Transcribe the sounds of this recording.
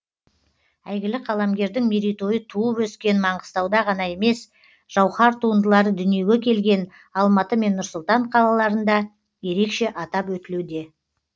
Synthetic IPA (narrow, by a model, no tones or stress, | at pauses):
æjɡʲɪlɪqʰɑlˠɑmɡʲe̞ɾd̪ɪŋmeɾijt̪o̞jət̪ʰuəpwɵskʲe̞nmɑɴəst̪ɑwd̪ɑʁɑnɑje̞me̞s | ʒ̥ɑwχɑɾt̪ʰuənd̪əlˠɑɾəd̪ʏnije̞ɡʲe̞kʲʰe̞lɡʲe̞n | ɑlˠmɑt̪əme̞nːʊɾsʊlˠt̪ɑɴqʰɑlˠɑlˠɑɾənd̪ɑ | je̞ɾe̞kʃe̞ʔɑt̪ɑpwɵt̪ɪlewd̪e̞